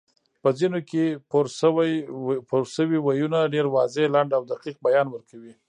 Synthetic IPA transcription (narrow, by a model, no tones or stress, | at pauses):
pəzinokepoɾ | poɾʃəwiwajunaɖeɾwɑzelaɳɖawd̪aqiq̚bajɑnwəɾkʰawi